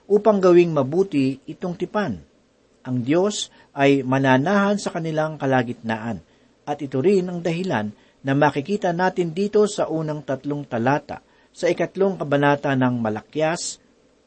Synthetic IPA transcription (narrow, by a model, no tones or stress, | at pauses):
ʔuːpɐŋɡɐwɪŋmɐbuːt̪ɪʔɪt̪o̞ŋt̪ɪpan | ʔɐŋd̪jo̞s | ʔɐjmɐnaːnaːɦɐnsɐkɐnɪlaŋkɐlaːɡɪt̪̚naːʔɐn | ʔɐt̪ʔɪt̪oɾɪnɐŋd̪ɐhɪlanː | ɐmaːkɪkiːt̪ɐnaːt̪ɪnd̪iːt̪o̞sɐʔuːnɐŋt̪ɐt̪lo̞ŋt̪ɐlaːt̪a̰ | sɐɪkɐt̪lo̞ŋkɐbɐnaːt̪ɐnɐŋmɐlɐkjas